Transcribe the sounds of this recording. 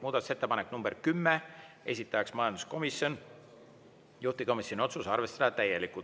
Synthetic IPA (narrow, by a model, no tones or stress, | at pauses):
muːd̪ɑt̪u̥se̞t̪ːepɑneknumb̥erkymːee̞̰s̬ʲit̪ːˑɑjɑksmɑjɑnd̪usko̞misjo̞n | juht̪iko̞misjonʲio̞t̪susɑrve̞st̪ɑd̪̥ɑt̪æjːeliku